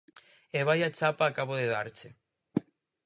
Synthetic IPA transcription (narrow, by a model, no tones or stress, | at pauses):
eβajat͡ʃapaːkaβoðeðaɾt͡ʃe